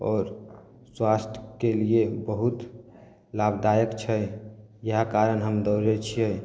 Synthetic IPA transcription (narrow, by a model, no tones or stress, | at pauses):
ɔːɾ | swast̪ʰjkeliebəɦut̪ | labd̪ajəkt͡ʃʰɛj | jəɦakaɾənɦəmd̪ɔɾet͡ʃʰijɛ